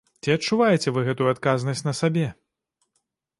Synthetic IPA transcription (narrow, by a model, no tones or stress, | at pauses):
t͡sʲiɐtt͡ʂːuvajɛt͡sʲɛvɨɣɛt̪ujuat̪kaznɐsʲnɐsabʲɛ